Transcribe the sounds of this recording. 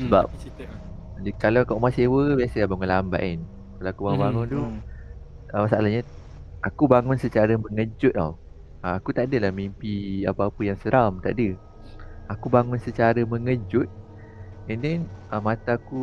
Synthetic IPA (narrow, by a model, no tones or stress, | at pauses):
səbap̚ | dikalakaʔmasewəbiasəlabaŋʊnlamba̰ʔɪn | kaloakubaŋʊnbaŋʊnt̪u | əmasaalahɲa | ʔakubaŋʊnsət͡ʃaɾəməŋəd͡ʒʊt̪̚a̰ | əakut̪aʔdəlahmimpiapaːpəjaŋsəɾamt̪a̰ʔdə | akubaŋʊnsət͡ʃaɾəməŋəd͡ʒʊt̪̚ | əndɛnəmãt̪aku